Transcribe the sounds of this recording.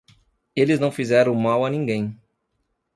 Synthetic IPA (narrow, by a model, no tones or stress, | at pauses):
elɪznɐ̃w̃fizɛɾɐ̃w̃mawɐnĩŋɡẽj̃